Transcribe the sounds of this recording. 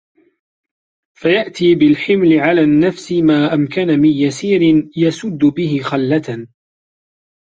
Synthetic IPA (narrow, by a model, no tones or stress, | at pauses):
fajaʔt̪iːbɪlħɪmlɪʕalaːnːafsɪmaːʔamkanamɪnjasiːɾɪnjasʊd̪ːʊbɪɦɪxalːat̪a